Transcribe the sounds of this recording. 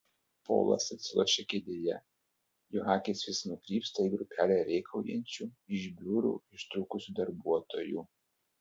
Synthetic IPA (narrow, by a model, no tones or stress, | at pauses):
po̰ːlˠɐ̰sɐt̪ʲsʲɪlˠoʃʲɛkʲed̪ʲejɛ | jɔɦɑːkʲesʲʋʲɪsnʊkɾʲiːpst̪ɐiːɡɾʊpʲæːlʲɛɾʲɛɪkʰɐʊjɛ̰nʲt͡ʃʲuɪʒbʲuːɾṵːɪʃt̪ɾuːkʊsʲud̪ɐɾbuɔt̪oːjṵː